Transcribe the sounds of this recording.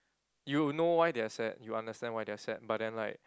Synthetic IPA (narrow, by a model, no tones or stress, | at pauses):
junowajdeasɛt̚juãndəstɛ̃nwajdɪasɛt̚bat̚dɛ̃nlaɪk̚